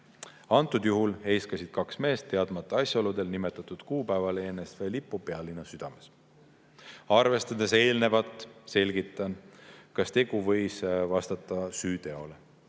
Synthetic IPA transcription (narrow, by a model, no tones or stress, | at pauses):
ɑnt̪ːˑud̪̥juɦulhe̞jskɑsʲid̪̥kɑksme̞ːst̪ːe̞ɑd̪mɑt̪ːˑeɑsʲjɑo̞lud̪e̞lnime̞t̪ːˑɑt̪ːˑud̪̥kuːpæevɑlee̞ːnest̪felipːˑupeɑlːinːɑsyd̪̥ɑme̞s | ɑrve̞st̪ɑd̪e̞s̬e̞ːlne̞vɑt̪ːˑse̞lʲɡit̪ːˑɑnkɑst̪e̞ɡ̥uvɤ̞jsvɑst̪ɑt̪ːˑɑsyːt̪e̞o̞le